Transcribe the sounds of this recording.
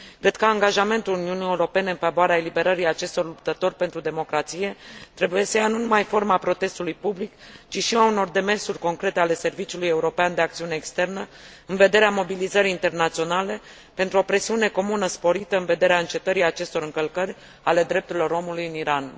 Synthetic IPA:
kɾe̞d̪̥kəaŋɡaʒame̞nt̪uluniunije̞uɾo̞pe̞ne̞ɨnfavoaɾeaelibe̞ɾəɾiat͡ʃe̞st̪o̞rlupt̪ət̪o̞rʲpent̪ɾud̪e̞mo̞kɾat̪sije̞t̪ɾe̞buje̞səjanunumajfo̞rmapɾo̞t̪e̞st̪ulujpublikt͡ʃiʃiauno̞rd̪e̞me̞rsurʲko̞ŋkɾe̞t̪e̞ale̞se̞rvit͡ʃiuluje̞uɾo̞peand̪e̞akt̪siune̞ːkst̪e̞rnə | ɨnve̞d̪e̞ɾeamo̞bilizəɾiint̪e̞rnat̪sio̞nale̞ | pe̞nt̪ɾuo̞pɾe̞siune̞ko̞munəspo̞ɾit̪əɨnve̞d̪e̞ɾeaɨnt͡ʃe̞t̪əɾijat͡ʃe̞st̪o̞ɾɨŋkəlkərʲ | ale̞d̪ɾe̞p̚t̪uɾilo̞ɾo̞mulujɨniɾan

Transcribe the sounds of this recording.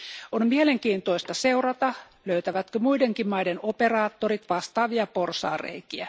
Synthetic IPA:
onmieleŋkiːnt̪oist̪ɑseurɑt̪ɑ | løyt̪æʋæt̪kømuideŋkimmɑidenoperɑːt̪ːorit̪ʋɑst̪ɑːʋiɑporsɑ̰ːrḛikiæ

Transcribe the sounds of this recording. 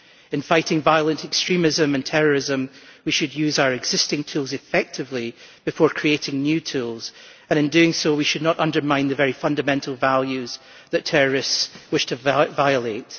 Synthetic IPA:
ɪ̃nfaɪʔɪ̃ŋvaɪəlˠə̃nʔɛkstɹ̥ĩmɪzə̃mə̃ntʰɛɹə˞ɪzə̃mwiʃɨdjʉzaʊə˞ɪɡz̥ɪstɪ̃ŋtʰʉlˠzɪfɛk̚tʰɪvlˠib̥ɪfɔɹkʰɹ̥ieʔɪ̃ŋnjʉːtʰʉlˠz̥ | ə̃ñɨ̃ndʉɪ̃ŋsowiʃɨdⁿnəʔʌ̃ndə˞mãɪ̃nðəvɛɹifʌ̃ndəmɛ̃ntʔʰəl̩ˠvalˠjʉz̥ | ðətʰɛɹə˞ɪstswɪʃtʰɨvaɪəlˠeʔ

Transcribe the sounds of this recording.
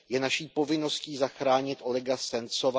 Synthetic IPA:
jɛnaʃiːpo̞vɪno̞sciːzaxɾaːɲɪt̪ʔo̞lɛɡasɛnt͡sova

